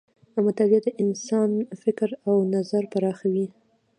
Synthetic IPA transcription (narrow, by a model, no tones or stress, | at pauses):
amat̪abiad̪əʔɪnsɑnfɪkɾawnazaɾpaɾɑxawi